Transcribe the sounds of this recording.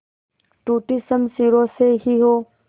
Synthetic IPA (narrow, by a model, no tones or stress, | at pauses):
ʈuːʈisəmsiːɾoseɦiɦoː